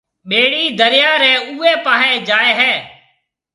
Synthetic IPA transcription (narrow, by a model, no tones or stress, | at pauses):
ɓeːɽiːd̪əɾɪjaːɾɛ̃ːuːeːpaːɦẽːd͡ʒaːeːɦɛː